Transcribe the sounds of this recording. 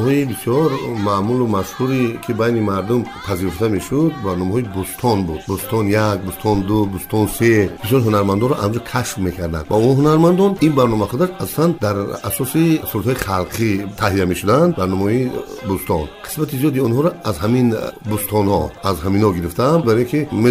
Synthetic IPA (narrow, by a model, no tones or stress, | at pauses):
hɔibisjɔɾmamulumaʃhuɾikʰibajnimaɾd̪umpʰaziɾuft̪ame̞ʃud̪̚baɾnɔmaɦɔibust̪ʰɔnbud̪̥bust̪ʰɔnjak̚bust̪ʰɔnd̪ubust̪ʰɔnseb̥isjɔɾɦunaɾmand̪ɔnɾɔʔamd͡ʒukʰaʃfme̞kʰaɾd̪a̰nd̪vaunɦunaɾmand̪ɔninbaɾnɔmaχud̪aʃasɔ̥sand̪aɾasɔsisuɾt̪hɔiχalqʰit̪ʰaɦijame̞ʃud̪and̪baɾnɔmɔibust̪ʰɔnqʰi̥smat̪ʰizijɔd̪iunhɔɾɔazɦaminbust̪ʰɔnhɔazɦaminhɔɡiɾift̪ʰanbaɾɔkʰime